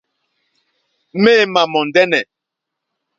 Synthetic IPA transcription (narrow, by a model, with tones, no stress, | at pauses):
meː˦˨ma˨mɔ˨n˨dɛ˦nɛ˨